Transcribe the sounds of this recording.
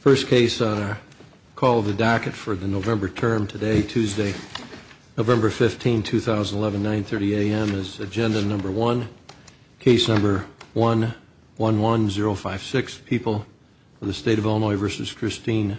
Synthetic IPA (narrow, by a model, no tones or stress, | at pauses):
fɜ˞skʰeɪsn̩ə˞ | kʰɔlˠʌvðɨdækɨtfə˞ðɨnoʊvɛ̃mbə˞tʰɜ̃˞mtʰɨdeɪtʰʉzdeɪ | noʊvɛ̃mbə˞fɪftʰĩntʰʉθaʊzndlɛṽn̩nãɪ̃nθɜ˞ɾieɪɛ̃mɪzɨd͡ʒɛ̃ndɨnʌ̃mbə˞wʌ̃n | kʰeɪsnʌ̃mbə˞wʌ̃n | wʌ̃nwʌ̃nzɪɹoʊfaɪv̥sɪkspʰipl̩ˠ | ʌvðɨsteɪɾʌvɛlˠnɔɪvɜ˞sɨz̥kʰɹ̥ɪstĩn